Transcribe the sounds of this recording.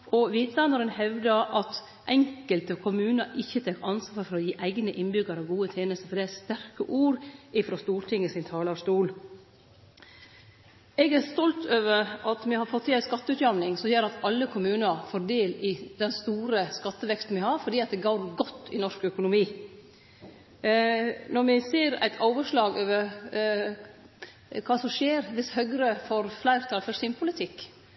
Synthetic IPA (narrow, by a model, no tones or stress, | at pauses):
ʔɔʋiːt̪ɑnəɾənhɛʋd̪əʔɑt̪ | ʔɛŋkəlt̪əkʰʊmʉːnəɾɪçːət̪ʰekɑnsʋɑːɾfɔɾɔjiːʔæɪɡnəʔɪnbʏɡəɾɑʋɡuːət̪ʰjeːnəst̪əɾfɔɖɛæst̪æɾkəʔuːɾɪfɾɔst̪uːɾʈʰɪŋəsɪnt̪ʰɑːlɑst̪uːl | ɛɡæɾst̪ɔlt̪ʰøːʋəɾɑt̪mɛhɑɾfɔt̪ʰːɪæɪskɑt̪ːəʉːt̪jɑmnɪŋsɔjøːɾɑt̪ɑlːəkʰʊmʉːnəɾfoːɾd̪eːlɪd̪ɛnst̪uːɾəskɑt̪ːəʋɛkst̪n̩ʋɪhɑɾfɔɖiːɑt̪̚d̪ɛɡoʊɾɡɔt̪ːɪnɔʂkœkʊnʊmiː | nɔɾmɛseːɾæ̰ɪt̪ʰɑːʋəʂlɑːɡøːʋəɾ | kʰɑːsɔmʂeːɾʋɪshœɡɾəfoːɾflæɪɾt̪ʰɑlfœɾsɪmpʰʊlɪt̪ʰɪkː